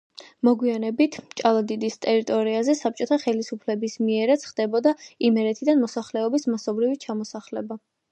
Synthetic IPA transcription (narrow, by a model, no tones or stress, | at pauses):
mɔɡwianɛbit̪ʰt͡ʃʼalˠad̪id̪ist̪ʼɛɾit̪ʼɔɾiazɛsap̚t͡ʃʼɔt̪ʰaχɛlisupʰlɛbismiɛɾat̪sʰχd̪ɛbɔd̪aimɛɾɛt̪ʰid̪anmɔsaχlɛɔbismasɔbɾivit͡ʃʰamɔsaχlɛba